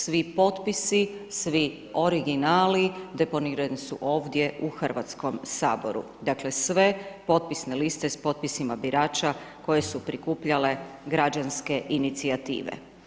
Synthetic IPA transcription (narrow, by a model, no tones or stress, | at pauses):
sʋipo̞t̪pisisʋi | o̞ɾiɡinaːlid̪e̞po̞niːɾanisṵʔo̞ːʋd̪je̞ʔuxr̩ʋa̰t̪sko̞msa̰ːbo̞̰ɾṵ | d̪akle̞sʋe̞po̞t̪̚pisnelist̪e̞spo̞t̪̚pisimabiɾaːt͡ʃako̞je̞supɾikuːpʎale̞ɡɾad͡ʒanske̞ʔinit̪siat̪ḭːʋḛ